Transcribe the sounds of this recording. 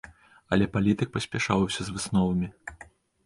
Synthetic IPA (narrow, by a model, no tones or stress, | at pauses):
ɐlʲɛpalʲit̪ɨk̚pɐsʲpʲɛʂawsʲɐzvɨsnɔvɐmʲi